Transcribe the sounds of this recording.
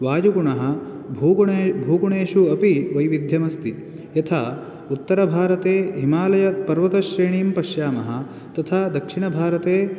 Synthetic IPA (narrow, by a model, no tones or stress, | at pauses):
ʋaːjuɡuɳɐɦɐ̆ | bʱuːɡuɳeːʃuɐpiʋɐjʋid̪ʱjɐmɐst̪i | jɐt̪ʰaː | ut̪ːɐɾɐbʱaːɾɐt̪eːɦimaːlɐjɐpɐɾʋɐt̪ɐʃɾeːɳiːmpɐʃjaːmɐɦɐ̆ | t̪ɐt̪ʰaːd̪ɐkʂiɳɐbʱaːɾɐt̪eː